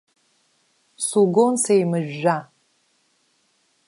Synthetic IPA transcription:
suɡonsejmɨʒᶣːa

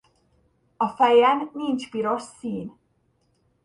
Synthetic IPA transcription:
ɔfajanniːntʰb̥iɾɔsiːn

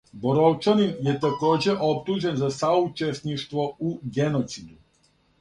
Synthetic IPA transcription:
bɔɾɔwt͡ʃaninjɛt̪akod͡ʑɛʔopt̪uʒɛnzasaut͡ʃɛst̪niʃt̪vɔuɡɛnot̪sid̪u

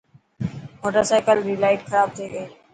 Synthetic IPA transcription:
moːʈəɾsaːɪkəlɾiːlaːɪʈxɐɾaːb̚t̪ʰeːɡɐeː

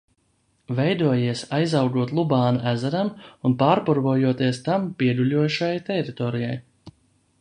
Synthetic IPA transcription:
vɛjd̪uɔjiɛsajzawɡuɔt̪lˠubaːnaʔæzæɾamunpaːɾpuɾbuɔjuɔt̪iɛst̪ampʲiɛd̪ulʲuɔjuʃajt̪ɛɾit̪ɔːɾijaj

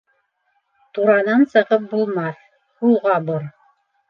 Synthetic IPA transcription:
t̪uɾɑnɑnsɤ̆ʁɤp̚bulˠmɑθ | hulˠʁɑboɾ

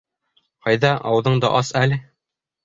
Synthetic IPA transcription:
qɑjðɑʔɑwðɤɴd̪ɑ̰ʔɑsælɘ

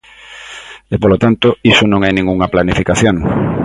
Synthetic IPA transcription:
epolot̪ant̪oisonõŋajnĩŋɡuŋɐplanifikaθjoŋ

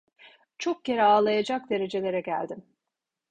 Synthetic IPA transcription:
t͡ʃʰok̚ce̞ɾɛaːlˠajad͡ʒak̚d̪e̞ɾe̞d͡ʒe̞lʲe̞ɾɛɟæ̰lʲd̪im

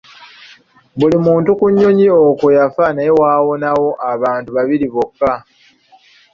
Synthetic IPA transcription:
βulimuːntukuɲːo̞ɲiokojafaneewaːwo̞nawo̞ʔaβaːntuβaβiliβokːa

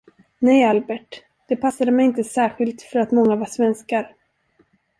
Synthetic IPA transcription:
nɛjalbɛʈ | d̪̥ɛpʰasːad̪əmɛjɪnt̪əsæːɾɧɪlt̪fœɾat̪mɔŋːavaʂvɛnskaɾ

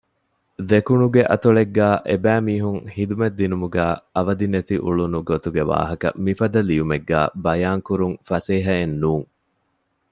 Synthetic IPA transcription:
d̪ekunuɡeʔɐ̰t̪uɭeɡːæːʔebæːmiːɦuŋhid̪umed̪ːinumuɡæːɐʋɐd̪inet̪iʔuɭunuɡot̪uɡeʋa̰ːɦɐkɐ̰mifɐd̪ɐlijumeɡːæ̰ːbɐjaːŋkuɾuŋfɐseːɦɐenːuːŋ

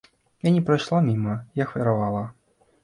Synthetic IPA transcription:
janʲɛpɾajʂlˠamʲimɐjaxvʲɛɾavalˠɐ

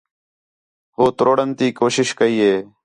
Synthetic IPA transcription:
ɦoːt̪ɾʔoːɽənt̪iːkoːʃɪʃkəiːɦeː

